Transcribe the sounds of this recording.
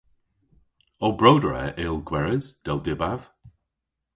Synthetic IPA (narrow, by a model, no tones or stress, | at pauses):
ɔlˠbɹowdəɹɛ̰ʔɪlˠɡwɛɹəz̥d̥ɛlˠdɪbav̥